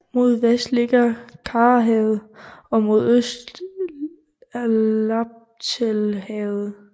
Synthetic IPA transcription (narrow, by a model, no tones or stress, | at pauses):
mo̝ð̞̰ˠʋesd̥le̝ɡ̥ɐkʰɑːɦɛð̩ˠɒ̽mo̝ð̞ˠøsd̥ | ab̚ | t͡sʰelhɛð̩ˠ